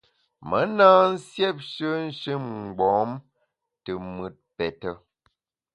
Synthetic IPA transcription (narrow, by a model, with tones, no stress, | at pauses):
mə˨˦naː˦n̩˦sjɛ˦˨p̚ʃə˦n̩˦ʃɨ˦mŋ̩˨ɡ͡bɔ̃ː˨˦m | tə˨mɨ˨t̚pɛ˨tə˦